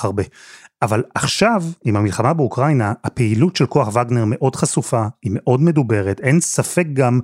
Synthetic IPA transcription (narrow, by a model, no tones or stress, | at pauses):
aʁbeʔavalaχʃavimhamilχamabeukʁajnaapeilutʃelko̞aχvaɡne̞ʁme̞ʔo̞dχasufaime̞ʔo̞dme̞dube̞ʁet̪ensafe̞k̚ɡam